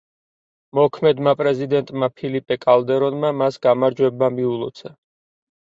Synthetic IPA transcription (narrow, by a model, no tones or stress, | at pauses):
mɔkʰmɛd̪mapʼɾɛzid̪ɛnt̪ʼmapʰilipʼɛkʼald̪ɛɾɔnmamasɡamaɾd͡ʒwɛbmamiulˠɔt̪sʰa